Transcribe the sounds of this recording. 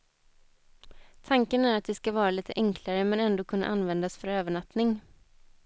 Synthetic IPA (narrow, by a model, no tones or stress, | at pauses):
t̪ʰaŋkənæɾat̪̚d̪ɛskavɑːɾaliːt̪ʰə̰ʔɛŋkʰlaɾəmɛnɛnd̪oːkʰɵnːa̰ʔanvɛnd̪asfœɾøːvəɳat̪nɪŋ